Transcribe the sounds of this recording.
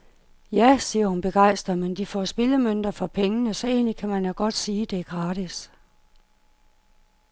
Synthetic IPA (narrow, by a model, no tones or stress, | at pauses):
jæsiːɐhunb̥e̝ɡ̥ɑ̈ɪ̰sd̥ɐmend̥ifɒ̰sb̥e̝ləmøn̰d̥ɐfɒ̽pʰeŋənəsɒ̽e̝ːnlikʰæmænjæɡ̥ɒ̽d̥siːd̥e̝ɡ̥ʁɑ̈ːd̥is